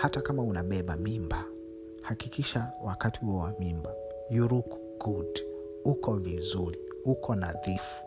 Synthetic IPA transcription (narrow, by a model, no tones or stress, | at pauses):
hatakamaunaɓɛɓamimba | hakikiʃawakatihuɔwamimba | juɾuk | ɡ̥ud | ukɔvizuɾi | ukʰɔnaðifu̥